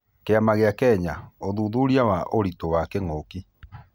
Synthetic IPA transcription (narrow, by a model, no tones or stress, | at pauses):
keamaɣeakɛɲaoðuːðuɾiawaʔoɾitowakɛŋoki